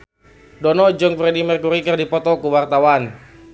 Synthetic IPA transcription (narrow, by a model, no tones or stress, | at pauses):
dɔnɔd͡ʒɔŋfɾɛdimɛrkuɾikərdipɔt̪ɔkuwart̪awan